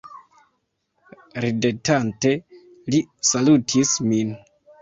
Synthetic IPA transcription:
ɾidetante̞ | lisalutʰismin

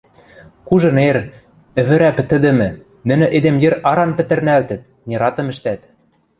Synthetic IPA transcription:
kuʒɤ̆neɾ | ɘ̆βɘ̆ɾæpɘ̆t̪ɘ̆d̪ɘ̆mɘ̆ | nɘ̆nɘ̆ʔed̪emjɘ̆ɾɑɾɑnpɘ̆t̪ɘ̆rnælt̪ɘ̆t̪̚ | nʲeɾɑt̪ɤ̆mɘ̆ʃt̪æt̪

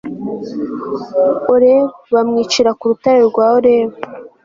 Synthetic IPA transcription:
oɾeβamŋiːt͡ʃiɾakuɾutaɾiɾɡwaːhoɾeːβa

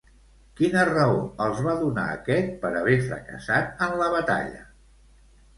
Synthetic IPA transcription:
kinərəoəlˠzβaðuna̰ə̰kɛt̪̚pəɾəβɛfɾə̰kə̰sat̪̚ənləβət̪a̰ʎə̰

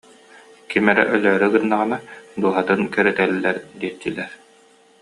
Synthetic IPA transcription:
kimɛɾɛ̰ʔœlœːɾyɡɯnːaʁɯnad̪uɔɦat̪ɯnkœɾɛt̪ɛlːɛɾd̪iɛɾt̪ːilɛɾ

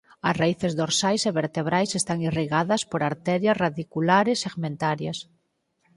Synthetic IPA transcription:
ɐsraiθezðoɾsajseβeɾt̪eβɾajsest̪aŋiriɣaðɐspoɾaɾt̪ɛɾjasraðikulaɾeseɣmẽnt̪aɾjas

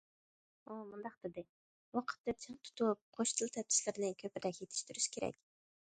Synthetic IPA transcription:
omund̪ɑqd̪̥ɪd̪ɪ | wɑqʰə̥t̪ːɑt͡ʃʰɨŋt̪ʰu̥t̪up̚qʰoʃt̪ʰɨlˠt̪ʰɛɪ̥ʃlɪɾɪnɪkʲʰøpɪɾɛkʲjet̪ʰɪ̥ʃt̪yɾyʃkʲʰeɾɛ̰kʲ

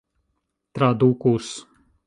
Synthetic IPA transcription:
t̪ɾad̪ukus

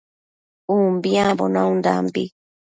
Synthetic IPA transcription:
umbiabɔnaũnda̰mbi

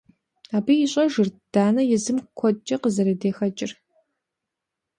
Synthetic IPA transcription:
aːbiːjɪɕʼɐʒɨrd̥aːnɐjɪzɨmkʷʰɔt͡ʃʼɐqəzɐɾɐdeːxɐt͡ʃʼɪr

